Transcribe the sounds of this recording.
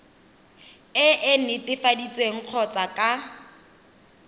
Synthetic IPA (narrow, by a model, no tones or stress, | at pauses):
ɪʔɪn̩ɪtʼɪfadit͡sʼweŋ̩q͡χʰɔt͡sʼakʼa